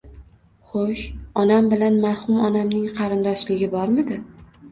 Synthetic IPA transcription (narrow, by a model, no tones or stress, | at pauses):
χoʃɒnambɪlanmaɾhʊmɒnamnɪŋqʰɑɾɪnd̪ɒʃlɪɡʲɪbɒɾmɪd̪ɪ